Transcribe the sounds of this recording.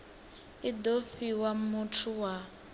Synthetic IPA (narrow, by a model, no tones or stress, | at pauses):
idofiwamutʰuwa